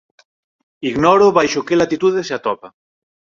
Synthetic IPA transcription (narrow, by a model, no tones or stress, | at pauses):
iɣnɔɾoβajʃokelat̪it̪uðeseat̪ɔpa